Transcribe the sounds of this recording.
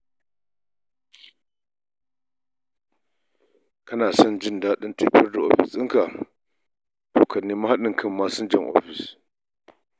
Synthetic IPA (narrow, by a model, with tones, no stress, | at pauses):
kɐ˦naː˨sɐ˦nd͡ʒɪ˦˨ndaː˦ɗɪ˦nte˦ɸɪ˦rda˨ʔo̰˦ɸɪ˨sɪ˦ŋka˨ | toː˨kʰɐ˨nːiː˦ma˦ha˦ɗɪ˨ŋkʰɐ˦mːaː˦sʊ˦nd͡ʒɐ˦˨ŋʔɔ̰ː˦ɸɪ˨s